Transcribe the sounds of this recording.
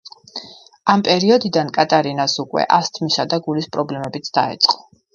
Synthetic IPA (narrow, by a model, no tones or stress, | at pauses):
ampʼɛɾiɔd̪id̪ankʼat̪ʼaɾinasukʼwɛ̰ʔast̪ʰmisad̪aɡulispʼɾɔblɛmɛbit̪sʰd̪aɛ̰t̪sʼqʼɔ̥